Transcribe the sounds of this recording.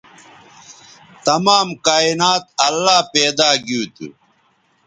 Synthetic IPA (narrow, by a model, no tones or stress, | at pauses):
t̪ɐmaːmkaːinaːt̪̚ɐlːaːpeːd̪aːɡuːt̪ṵ